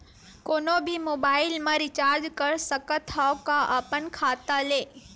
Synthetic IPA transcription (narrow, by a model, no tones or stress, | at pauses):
koːnobʱimoːbaːɪlmãɾɪt͡ʃaːɾd͡ʒkəɾsəkət̪ʰːakːaʔəpənkʰaːt̪aleː